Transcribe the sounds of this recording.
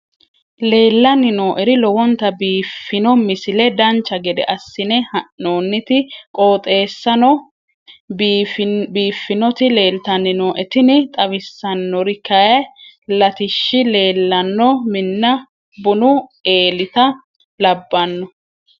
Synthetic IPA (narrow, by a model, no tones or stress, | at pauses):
leːlːɐnɪnoːʔɛɾɪlɔwɔnt̪ɐbiːfːɪnɔmɪsɪlɛd̪ɐnt͡ʃːɐɡɛd̪ɛ̰ʔɐsːɪnɛhɐʔnoːnːɪt̪ɪkʼoːt̪ʼe̞ːsːɐnɔ | fbiːfːɪnɔt̪ɪle̞ːlt̪ɐnːɪnoːʔɛt̪ɪnɪt̪ʼɐβɪsːɐnːɔɾɪkːɐjɐ | lɐt̪ɪʃːɪle̞ːlːɐnːɔmɪnːɐ | bʊnʊe̞ːlɪt̪ɐ | lɐbːɐnːɔ